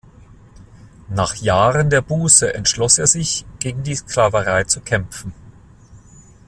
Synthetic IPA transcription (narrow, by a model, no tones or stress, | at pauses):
naːχjaːʁəndeːɐbuːsəʔɛntʃlɔseːɐzɪçɡ̥eːɡŋ̩diːskl̥aːvəʁaɪt͡sukʰɛmfn̩